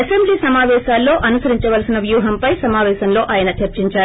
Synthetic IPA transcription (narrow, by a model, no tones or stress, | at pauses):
ɐsembliːsɐmaːʋɛːʃaːlːo̞ːʔɐnusɐɾiɲt͡ʃɐʋɐlsinɐʋjuːɦɐmpɐjsɐmaːʋɛːʃɐmlo̞ːʔaːjɐnɐt͡ʃɐɾt͡ʃiɲt͡ʃaː